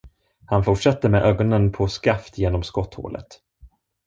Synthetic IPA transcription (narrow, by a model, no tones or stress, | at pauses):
hanfʊʈʂat̪ːəɾmɛʔøːɡɔnənpʰɔskaft̪jeːnɔmskɔt̪ːho̰ːlə̰t̪